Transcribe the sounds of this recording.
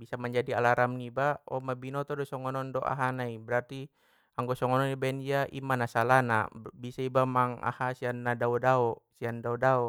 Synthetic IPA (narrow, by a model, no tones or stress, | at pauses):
bisamaɲd͡ʒadialaɾamnibaɔ̰mabinɔt̪ɔdɔsɔŋɔnɔndɔʔa̰ɦanaibɛɾart̪i | aŋɡɔsɔŋɔnɔnibaɛnd͡ʒiaʔḭmanasalana̰bisaibamaŋa̰hasianːadaɔdaɔsiandaɔdaɔ